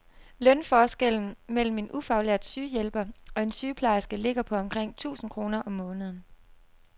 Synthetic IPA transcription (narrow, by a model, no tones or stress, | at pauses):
lœnfɒːsɡ̥el̰n̩mel̰m̩e̝nʔufɑ̈ʊleɐ̰d̥syːjelb̥ɐɒ̽e̝nsyːpʰlɑ̈ɪsɡ̥əle̝ɡ̥ɐpʰɒ̽ɒ̽mkʰʁeŋ̰t͡sʰṵːsn̩kʰʁo̝ːnɐʔɒ̽mːɔ̽ːnəð̩ˠn̩